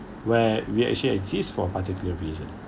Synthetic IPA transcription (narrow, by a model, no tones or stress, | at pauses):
wɛwiæ̰k̚t͡ʃuliɛɡzistfɔəpatikjuləɹiːzə̰̃n